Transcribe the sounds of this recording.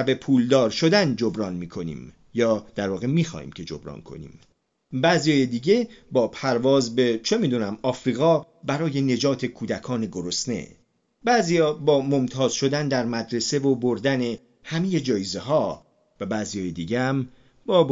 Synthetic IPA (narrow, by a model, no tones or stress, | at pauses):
æbe̞pʰuːld̪ɒːɾʃo̞d̪ænd͡ʒobɾɒːnmiːkʰo̞nḭːm | jɒːd̪̥æɾvɒːɣe̞miːxɒ̰ːhḭːmcʰe̞d͡ʒo̞̰bɾɒ̰ːnkʰo̞̰nḭːm | bæzijɒːjed̪iːɟe̞bɒːpʰæɾvɒːzbe̞t͡ʃʰe̞miːd̪uːnæmɒːfɾiːɣɒː | bæɾɒːje̞ne̞d͡ʒɒːt̪ʰekʰuːd̪ækʰɒːneɡo̞ɾo̞sne̞̰ | bæːzijɒːbɒːmo̞mt̪ʰɒːz̥ʃo̞d̪ænd̪æɾmæd̪ɾe̞se̞voboɾd̪æne̞ | hæmeje̞d͡ʒɒːjezeɦɒː | væbæːzijɒːjed̪iːɟeæm | bɒː